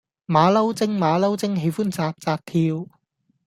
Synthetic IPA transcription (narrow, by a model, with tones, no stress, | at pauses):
maː˨˧lɐ˥wt͡sɪ˥ŋmaː˨˧lɐ˥wt͡sɪ˥ŋɦe˨˧jfuː˥nt͡saː˧p̚t͡saː˧p̚t̪ʰiː˧w